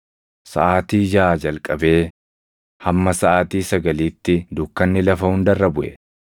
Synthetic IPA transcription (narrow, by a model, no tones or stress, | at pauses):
sɐʔaːt̪iːd͡ʒaːd͡ʒɐlkʼɐbe̞ː | hɐmːɐsɐʔaːt̪iːsɐɡɐliːt̪ːɪd̪ʊkːɐnːɪlɐfɐhʊnd̪ɐrːɐbʊʔɛ̰